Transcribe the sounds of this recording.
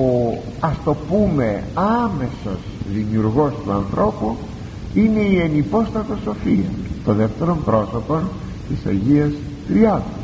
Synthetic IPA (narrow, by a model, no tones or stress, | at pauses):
o | ɐst̪o̞pume̞ɐme̞so̞z̥ðimiuɾɣo̞st̪uɐnθɾʔo̞pu | ine̞ienipo̞st̪ɐt̪o̞so̞fiɐ̰t̪oðe̞ft̪e̞ɾo̞mpɾo̞so̞pon | t̪isɐ̰ʝiɐs | t̪ɾiɐnɐ